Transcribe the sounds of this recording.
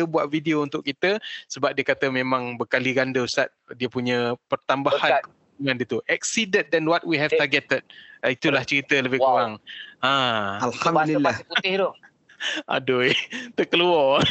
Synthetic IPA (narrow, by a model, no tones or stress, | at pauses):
əbuaʔvideount̪ʊkːit̪əsəbap̚diəkat̪əmemãŋbəkaliɡandəst̪at̪̚diəpuɲə̃pərt̪ambahankə | uŋãndiət̪uʔɛk̚sidən̚dɛnwɔt̪̚wiɦɛft̪arɡɛtət̪̚it̪ulaht͡ʃəɾit̪ələbɪhkuɾaŋãalhamilːapuɪht̪o | ʔa̰dʊjt̪əkəluɔ